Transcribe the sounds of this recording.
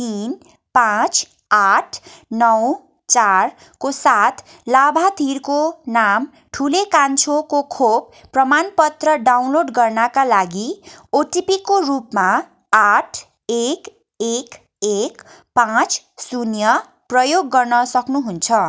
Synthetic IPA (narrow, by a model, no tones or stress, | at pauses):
t̪in | pãt͡sʰ | aʈʰnʌw | t͡sar | kosat̪ʰ | labʱat̪ʰirkonam | ʈʰulekant͡sʰokokʰobːrʌmanpʌt̪rʌɖawnloɖɡʌrnakalaɡioʈipikorupma | aʈʰ | ek | ek | ek | pãt͡sʰ | sunjʌ | prʌjoɡːʌrnʌsʌknuɦunt͡sʰʌ